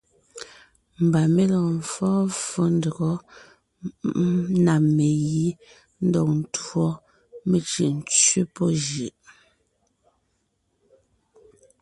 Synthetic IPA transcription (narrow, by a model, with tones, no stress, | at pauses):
m̩˨ba˨me˦lɔ˨ɱ̩˨fɔː˦fo˦ndə˨ɣɔ˨˦ | na˨me˨ji˦ | n̩˦dɔ˦˨k̚n̩˨˦twɔ˦ | me˨t͡ʃi˨ʔn˦t͡ʃɥe˦pɔ˦ʒi˨ʔ